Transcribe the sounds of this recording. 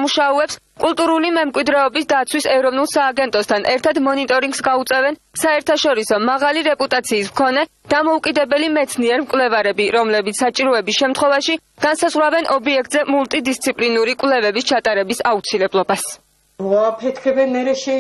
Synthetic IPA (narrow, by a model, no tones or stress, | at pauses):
muʃauɛps | kʼulˠt̪ʼuɾulimɛmkʼwid̪ɾɛɔbisd̪at̪sʰwisɛvɾɔvnulˠsaːɡɛnt̪ʼɔst̪ʰanʔɛɾt̪ʰad̪mɔnit̪ʼɔɾiŋɡsɡaut̪sʼɛvɛn | saɛɾt̪ʰaʃɔɾisɔmaʁaliɾɛpʼut̪ʼat̪sʰiːsmkʰɔnɛ | d̪̥amɔukʼid̪ɛbɛlimɛt̪sʰniɛɾmkʼwlɛvaɾɛbiɾɔmlɛbit̪ssat͡ʃʼiɾɔɛbisʃɛmt̪ʰχwɛvaʃi | ɡ̥ansazʁwɾavɛnʔɔbiɛk̚ʰt̪ʼzɛmulˠt̪ʼid̪ist̪sʰipʼlinuɾikʼwlɛvɛbist͡ʃʰat̪ʼaɾɛbisaut̪sʰilɛblˠɔbas | aːpʰɛt̪kʰɛbɛnɛɾɛʃɛ